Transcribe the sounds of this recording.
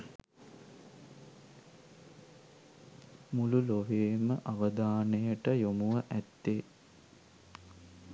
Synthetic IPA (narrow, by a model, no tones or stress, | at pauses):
mululoʋeːməʔaʋəd̪aːnəjəʈəjomuʋəʔæt̪ːe